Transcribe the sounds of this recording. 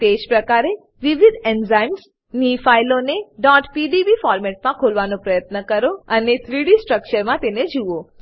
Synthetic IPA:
t̪ed͡ʒpɾəkaɾe | ʋiʋid̪ʱɛnzajms | nifajloneɖɔʈpiɖiʋifɔɾmɛʈ̚mãkʰolʋanõpɾəjət̪nəkəɾoənet̪ʰɾiɽisʈɾək̚t͡ʃəɾmãt̪ened͡ʒuʋo

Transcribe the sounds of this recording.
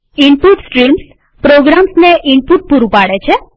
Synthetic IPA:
iɳpuʈsʈɾims | pɾoɡɾamsneʔiɳpuʈ̚puɾupaɽet͡ʃʰe

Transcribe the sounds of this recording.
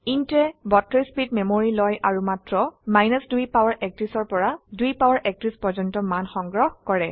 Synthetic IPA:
intɛbɔtɹɔjspid̚memoɹilɔjaɹumatɹɔmajnɔsdujpawaɹʔɛk̚tɹisɔɹpɔɹadujpawaɹʔɛk̚tɹispɔzɔntɔmanxɔŋɡɹɔhkɔɹɛ

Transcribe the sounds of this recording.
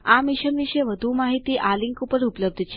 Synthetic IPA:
amiʃəmʋiʃeʋəd̪ʱumaɦit̪iʔaliŋkupəɾupələb̚d̪ʱt͡ʃʰe

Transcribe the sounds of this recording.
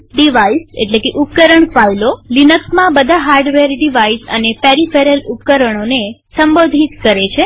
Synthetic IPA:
ɖiʋaisḛʈlekeʔup̚kəɾəɳfajlolinəksmãbəd̪ʱaɦaɾɖʋeɾɖiʋaisə̰nepeɾifeɾəlupkəɾəɳ̃onesəmbod̪ʱit̪kəɾet͡ʃʰe

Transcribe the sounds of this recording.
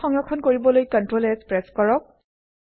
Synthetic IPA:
ɔŋɹɔkʰɔnkoɹibɔlojkɔntɹolɛspɹɛskɔɹɔk̚

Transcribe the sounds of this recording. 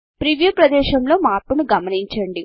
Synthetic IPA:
pɾiʋjupɾɐd̪ɛːʃɐmlo̞ːmaːɾpunuɡɐmɐniɲt͡ʃɐɳɖi

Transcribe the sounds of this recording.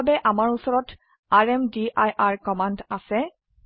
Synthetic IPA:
bɛʔamaɹusɔɹɔt | aɹɛmdiʔajʔaɹkɔmandasɛ

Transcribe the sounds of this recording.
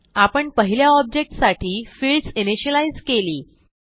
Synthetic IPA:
apəɳpəɦiljaɔb̚d͡ʑek̚ʈsaʈʰiːfilɖsiniɕəlaid͡zkeliː

